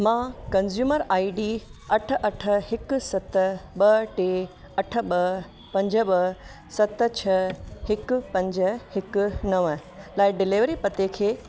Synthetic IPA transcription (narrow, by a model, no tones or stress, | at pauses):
mãːkɐnzjuːməɾaːiɖiːɐʈʰəʔɐʈʰəhɪkʊsɐt̪ɓɐʈeː | ɐʈʰə̆ɓɐ | pɐ̃ɲd͡ʑʱəɓɐ | sɐt̪t͡ɕʰɐhɪkʊpɐ̃ɲd͡ʑəhɪkʊnɐʋəlaːɪɖɪliʋɾipɐt̪ekʰeː